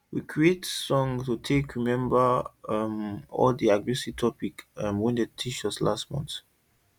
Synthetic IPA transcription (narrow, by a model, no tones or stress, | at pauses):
wikʰɹietsɔ̃ŋtutʰekɹimɛ̃mbəmɔ̰ldiaɡɹɛsivtʰɔpikmwĩndətʰiʃɔslastmɔ̰̃nt